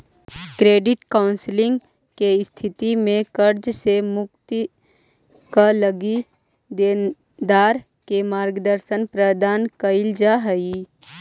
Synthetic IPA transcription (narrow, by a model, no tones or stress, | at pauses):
kɾeːɖɪʈkaʊnslɪ̃ŋɡ | keɪst̪ʰɪt̪imẽkəɾd͡ʒsemʊk̚t̪i | kaləɡi | d̪en | d̪aːɾ | kemaːɾɡd̪əɾʃənpɾəd̪ʱaːnkəɪld͡ʒaɦəi